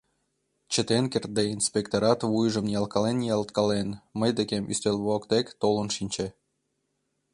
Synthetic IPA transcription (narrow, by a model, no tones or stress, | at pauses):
t͡ɕə̆t̪enkert̪̚d̪einspʲekt̪oɾɑt̪βujʒə̆mjɑlˠkɑlenjɑlˠt̪kɑlenməjd̪ekemʔy̰st̪elʲβoɑkt̪ekʲt̪olə̆nʃinʲt͡ɕe